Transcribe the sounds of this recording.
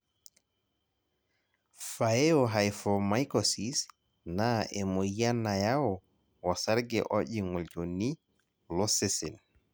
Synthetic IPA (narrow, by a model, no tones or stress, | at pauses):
faɛɔɦajfɔmajkɔsis | naʔɛmɔanajawɔ | wasaɾɡɛ̰ʔɔʄiŋɔld͡ʒonːi | lɔsesɛ̰l